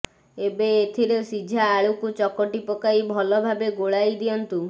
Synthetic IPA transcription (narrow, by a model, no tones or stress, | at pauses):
ebeːt̪ʰiɾesid͡ʒʱaːɭukut͡ʃɔkɔʈipɔkaibʱɔlɔbʱabeɡoɭajd̪iɔnt̪u